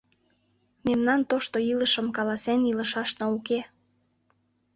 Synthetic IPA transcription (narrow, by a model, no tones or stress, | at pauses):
memnɑnt̪oʃt̪oiləʃə̆mkɑlɑseniləʃɑʃnɑuke